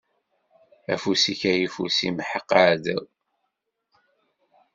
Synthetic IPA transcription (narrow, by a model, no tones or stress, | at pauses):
æ̰fusiçæjifṵsḭmħəqːaʕð